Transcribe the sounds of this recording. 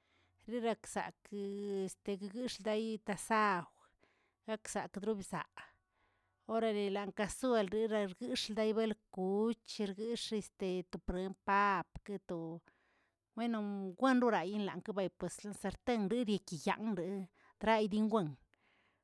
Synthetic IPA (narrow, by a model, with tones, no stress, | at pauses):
ɾi˦ɾa˧ksa̰˨ke˨st̪e˨ɡa˦˧ɡɨ˦ʂld̪a˦jt̪a˧sa˦w | ɡ̥a˦ksa̰˨kd̪ɾu˦bsa̰˨ʔ | o˦ɾa˧le˨la˨ŋka˧su˦e˧lɾi˦ɾa˧ɾɡɨ˦ʂld̪a˦jbe˦lku˨˦t͡ʃɾɡɨ˦ʂe˧st̪e˨t̪o˨pɾe˨˧mpa˦pke˧t̪o˨ | we˦no˧ɡʷe˦nɾu˦ɾa˨ji˦nla̰˨ŋka˦ba˧˨jpwe˨sla˧nse˧ɾt̪e˦ŋɾi˦ɾje˧ki˨ja̰˨ŋɾe˨ | d̪ɾa˦jd̪i˦ŋɡʷe˦ŋ